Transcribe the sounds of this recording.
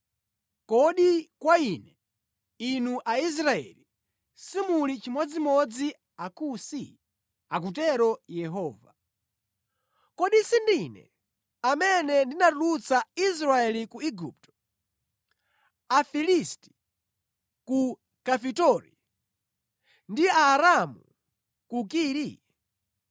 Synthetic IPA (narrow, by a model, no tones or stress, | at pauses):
kɔɗikwaiːnɛ | inuʔais̬ɾaɛ̰li | simulit͡ʃimwɔd͡zimɔd͡zi | akusi | ak̬utɛɾɔjɛɦɔːva̰ | kɔɗisindinɛ̰ | amɛnɛndinatulut͡sais̬ɾaɛlikuiɡup̚tɔ̥ | afilisti̥ | ku | kafitɔɾḭ | ndiaːɾamu | kukiːɾi